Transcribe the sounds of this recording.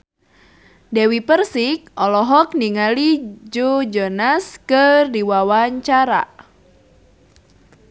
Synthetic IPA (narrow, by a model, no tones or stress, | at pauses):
dɛwipərsik̚ɔlɔɦɔk̚niŋalid͡ʒod͡ʒɔnaskɨrdiwawaɲt͡ʃaɾa̰